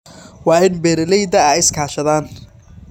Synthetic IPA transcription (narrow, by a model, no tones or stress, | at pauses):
wɑːɪnbɛːɾɐlɛjd̪ɐaːɪskʰaːʃɐðaːn